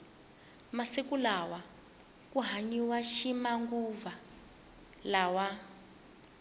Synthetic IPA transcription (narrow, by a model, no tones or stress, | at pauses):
masikulawa | kuɦaɲiwaʃimaŋɡuva | lawa